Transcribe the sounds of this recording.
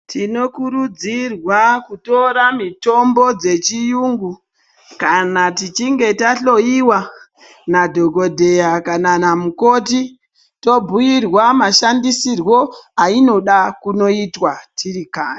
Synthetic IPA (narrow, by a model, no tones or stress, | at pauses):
tʰino̞kuɾud͡zirwakuto̞ɾamito̞mbo̞d͡ze̞t͡ʃijuːŋɡu | kanatit͡ʃiŋɡe̞taɬo̞iwa | nadʱo̞ɡo̞dʱe̞jakananamuko̞ti | to̞bʱujirwamaʃandisirwo̞aino̞ɗakuno̞itwatʰirikaːje